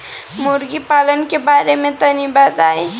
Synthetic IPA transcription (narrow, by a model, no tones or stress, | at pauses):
mʊɾɡipaːlənkebaːɾemẽt̪ɐnibaːd̪aːẽ